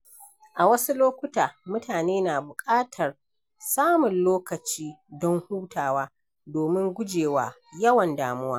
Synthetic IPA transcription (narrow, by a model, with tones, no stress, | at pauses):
ʔa˨wɐ˦su˦loː˦kʷʊ˦taː˨mʊ˦taː˨neː˦naː˨bʊ˨kʼaː˦tʰɐ˨r | saː˦mʊ˨nloː˦kɐ˨t͡ʃiː˦dɔ˦ŋhuː˦tʰaː˨waː˦ | doː˨mɪ˦ŋɡʷʊ˦d͡ʒeː˨waː˦ | jɐ˦wɐ˨ndaː˨˦mʊ˦waː˦